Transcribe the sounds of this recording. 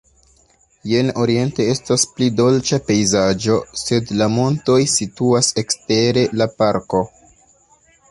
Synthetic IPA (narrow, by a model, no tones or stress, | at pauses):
je̞no̞ɾie̞nte̞e̞stasplido̞lt͡ʃape̞jzad͡ʒo̞se̞dlamo̞nto̞jsituase̞kste̞ɾe̞lapaɾko̞